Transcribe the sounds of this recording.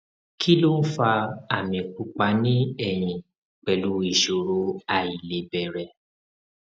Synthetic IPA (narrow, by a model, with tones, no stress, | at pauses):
kʰi˦lo˦n̩˦fa˧a˨mĩ˧k͡pu˦k͡pa˧˦nĩ˦ɛ˦˨j̃ĩ˨ | k͡pɛ˨lu˨˦i˦˨ʃo˨ɾo˨˦a˨i˨le˨˦bɛ˨ɾɛ˨